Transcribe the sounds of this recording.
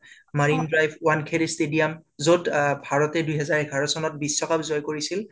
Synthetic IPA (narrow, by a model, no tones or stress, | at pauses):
maɹindɹajbʰʱwankʰeɾstedijamzodbʱaɹɔtɛdujɦɛzaɹɛkʰaɹɔsɔnɔt̚bisːɔkapzɔjkoɹisil